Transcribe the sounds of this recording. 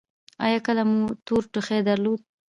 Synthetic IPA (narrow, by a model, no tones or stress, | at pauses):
ɑ̰jɑkəlamut̪oɾʈʊxed̪aɾlod̪̚